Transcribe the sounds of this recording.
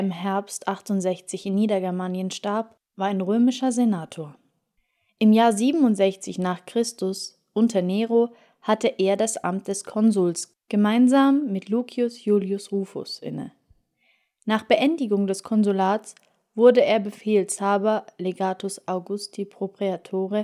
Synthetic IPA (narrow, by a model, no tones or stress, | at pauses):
ɪmɦɛɐpstʔaχtʊntz̥ɛçt͡sɪçɪnːiːdɐɡɛɐmaːnjənʃtaɐp | vaːɐaɪnʁøːmɪʃɐzenaːtʰoːɐ | ʔɪmjaːɐziːbm̩ʊntz̥ɛçt͡sɪçnaːχkʁ̥ɪstʊs | ʔʊntʰɐneːʁo | hatəʔeːɐdasʔa̰mt̚d̥ɛskʰɔnzuːls | ɡ̥əmaɪnzaːmːɪtluːkʰiʊsjuːljʊsʁuːfʊ̰sʔɪ̰nə̰ | naːχb̥əʔɛndɪɡʊŋdɛskʰɔnzulaːt͡s | v̥ʊɐdəeːɐbəfeːlshaːbɐleɡaːtʰʊsʔaʊɡʊstʰipʁ̥opʁ̥iatʰoːʁə